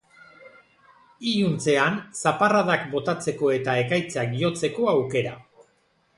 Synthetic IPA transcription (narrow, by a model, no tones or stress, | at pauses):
ijunt͡se̞ansaparaðakbo̞t̪at͡se̞ko̞e̞t̪ae̞kajt͡sakʝo̞t͡se̞ko̞awke̞ɾa